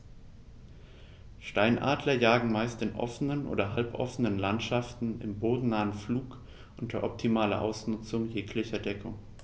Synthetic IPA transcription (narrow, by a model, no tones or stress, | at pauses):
ʃtaɪnʔa̰ːdlɐjaːɡŋ̩maɪstɪnʔɔ̰fənənʔo̰ːdɐɦalpʔɔ̰fənənlantʃaftn̩ɪ̰mboːdn̩naːənfluːk | ʔʊntɐʔɔp̚tʰimaːlɐ̰ʔa̰ʊsnʊt͡sʊŋjeːkʰlɪçɐdɛkʰʊŋ